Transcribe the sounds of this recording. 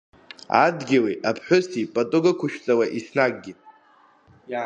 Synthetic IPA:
a̰dɡʲiwiʔapʰħʷʊsipʼatʼʊɡakʷʰʊʃᶣt͡sʼawaʔisnaɡ̚ʼɡʲi

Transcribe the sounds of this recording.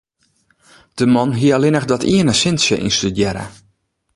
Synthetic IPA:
d̥əmɔnɦiəalɪnəxdɔtʰiənəsɪnsjəʔḭnstydjɛɾə̰

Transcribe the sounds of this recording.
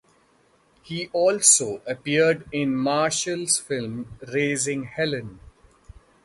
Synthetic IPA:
hiːʔɔːlsoːʔəpiəɾɖɪ̃nmaːʃəlz̥fɪlmɾeːzɪ̃ŋhɛlə̃n

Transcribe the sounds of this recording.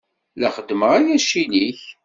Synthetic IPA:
læχəd̪ːməʁæjæʃiliç

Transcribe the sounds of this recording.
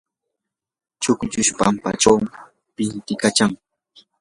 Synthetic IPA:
t͡ʃʊkʊt͡ʃʊʃpa̰mpa̰t͡ʃawm | pɪnt̪ɪkat͡ʃaŋ

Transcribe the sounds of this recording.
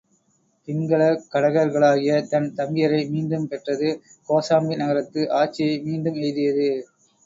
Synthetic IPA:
pɪŋɡɐɭɐkːɐɽɐɣɐɾɣɐɭaːɣɪjɐt̪ɐnt̪ɐmɪjɐɾɐɪmiːnd̪ɯmpɛʈrɐðɯ | koːsaːmbinɐɣɐɾɐt̪ːɯʔaːt͡ʃːɪjɐɪmiːnd̪ɯmɛjðɪjɐðɯ

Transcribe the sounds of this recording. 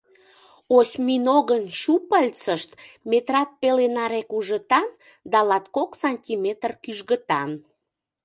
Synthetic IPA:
osʲminoɣənɕupəlʲt͡səʃt̪met̪rɑt̪̚pelenɑɾekuʒət̪ɑn | d̪ɑlɑt̪koksɑnʲtʲimet̪ərkyʒɣət̪ɑn

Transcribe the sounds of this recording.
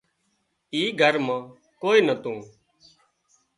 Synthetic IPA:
iːɡʱəɾmãː | koːiːnət̪ũː

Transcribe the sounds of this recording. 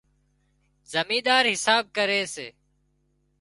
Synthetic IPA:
zəmiːd̪aːɾɦɪsaːb̚kəɾeːseː

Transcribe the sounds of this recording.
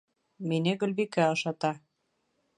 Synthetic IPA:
minʲeɡɵ̆lʲβikæɤ̆ʃɑt̪ɑ

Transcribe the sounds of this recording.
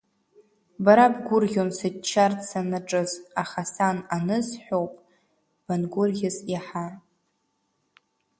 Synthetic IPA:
baɾabɡʷʊrɣʲonsɨt͡ʃʰːartsanaʈ͡ʂʼɨzaχasananɨzħʷᶣowpʼ | b̥anɡʷʊrɡʲɪzaħa

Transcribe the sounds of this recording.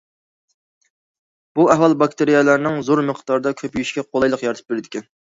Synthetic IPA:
b̥uɛɦwɑlˠbɑk̚t̪ʰeɾijɛlˠɑɾnɨŋzoɾməqʰt̪ɑɾd̪ɑkʲʰøpjyʃkʲɛqʰolˠɑjlˠəqjɑɾt̪ʰɨ̥p̚beɾɪd̪ɪkʲʰɛn

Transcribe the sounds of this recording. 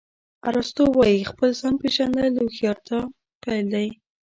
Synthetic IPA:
a̰ɾost̪owɑjixpəlzɑnpeʒand̪əluxjɑɾt̪ʰa | pajld̪aj

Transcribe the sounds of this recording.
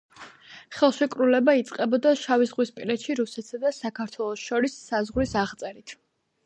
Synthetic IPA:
χɛlˠʃɛkʼɾulɛbait̪sʼqʼɛbɔd̪aʃavizʁwispʼilɛt̪ʃiɾusɛt̪ʰsad̪asakʰaɾt̪ʰwɛlˠɔsʃɔɾisːazʁɾisaʁt̪sʼɛɾit̪ʰ

